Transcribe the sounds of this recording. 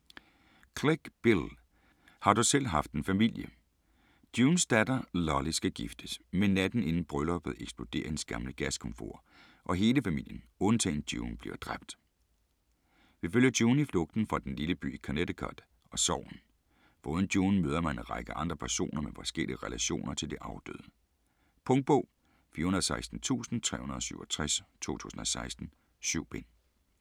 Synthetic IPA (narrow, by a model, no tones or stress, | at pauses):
kʰʁeɡ̥b̥il | hɑ̈d̥usel̰ɦɑ̈fd̥e̝nfæmil̰jə | d̥juːnsd̥æd̥ɐlɒlisɡ̥æɡ̥ifd̥əsmennːæd̥n̩e̝nn̩b̥ʁœlɒb̥ð̩ˠeɡ̥sb̥lo̝d̥e̝̰ːɐhensɡ̥æɐmənəɡ̥æskʰɔ̽mfo̝̰ːɐ̰ | ʔɒ̽ɦe̝ːləfæmil̰jən | ɔ̽nt͡sʰɛ̰ːn̩d̥juːn̩b̥lḭɐd̥ʁab̥̚d̥ | ʋiføljɐd̥juːn̩iflɔ̽ɡ̥̚d̥n̩fʁɑ̈d̥enliləb̥y̰ːikʰæned̥əkʰɑ̰d̥ | ɒ̽sɒʊ̰n̩ | b̥ɔ̽ːðˠn̩d̥juːn̩møːð̞ˠɐmænenʁɑɪɡ̥əʔɑ̈nd̥ʁɐpʰæɐɕo̝̰ːnɐmefɒsɡ̥elḭəʁɛlæɕo̝̰ːnɐt͡sʰe̝ld̥e̝ʔɑ̈ʊd̥ø̰ðˠə | pʰɔ̽ŋd̥̚b̥ɔː | fiːɐhunɐðˠsɑ̈ɪsd̥n̩t͡sʰṵːsn̩t͡sʰʁɛ̰ːhunɐðˠsyʊɒt͡sʰʁɛst͡sʰo̝̰ːt͡sʰṵːsn̩ɒ̽sɑ̈ɪsd̥n̩ | syʊ̰b̥en